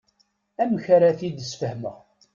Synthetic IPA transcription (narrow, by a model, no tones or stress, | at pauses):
æmçaɾaθid̪əsfəhmə̰